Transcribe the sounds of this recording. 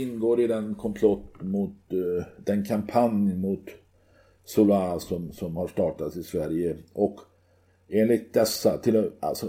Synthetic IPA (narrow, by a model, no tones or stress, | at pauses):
ɪnːɡoːɾɪd̪ɛnkʰɔmpʰlɔt̪ːmʊt̪̚d̪ɛnkʰampʰanjmʊt̪ | sʊlasɔmsɔmhaʂt̪ɑːʈat̪sɪsvæɾjəʔɔk | eːnlɪt̪̚d̪ɛsːat̪ʰɪla̰lsɔ